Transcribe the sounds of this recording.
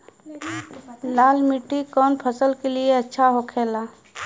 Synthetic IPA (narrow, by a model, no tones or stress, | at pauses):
laːlmɪʈːikɔːnpʰəsəlkelieɐtːʃʰaɦokʰeːlaː